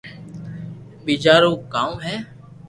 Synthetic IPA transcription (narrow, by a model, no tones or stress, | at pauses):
biːt͡ʃaːɾõːkaːũɦɛː